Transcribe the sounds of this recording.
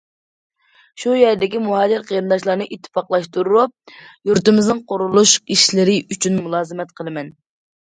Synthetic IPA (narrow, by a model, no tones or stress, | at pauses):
ʃujɛɾd̪ɪkʲimuɦɑːd͡ʒɪɾqʰəɾɨnd̪ɑʃlˠɑɾnɨʔit̪ʰːfɑqlˠɑʃt̪uɾuɾup̚juɾt̪ɨmɪznɨŋqʰoɾulˠuʃiʃlɪɾɪyt͡ʃʰynmulˠɑːzɨmɛt̪qʰəlˠɨmɛn